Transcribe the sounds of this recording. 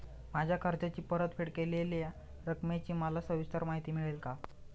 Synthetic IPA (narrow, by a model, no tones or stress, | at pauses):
mad͡ʑʱjakʰəɾd͡zat͡ɕiːpəɾət̪fʰeɽkelela | ɾəkmat͡ɕiːməlasəʋist̪aɾmaɦit̪iːmiɭelka